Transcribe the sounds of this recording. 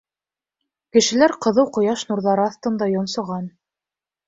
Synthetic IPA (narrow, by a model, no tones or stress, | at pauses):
kɘ̆ʃɘ̆læɾqɤ̆ðɤwqŏjɑʃnuɾðɑɾɤɑθt̪ɤ̆nd̪ɑjŏnsŏʁɑn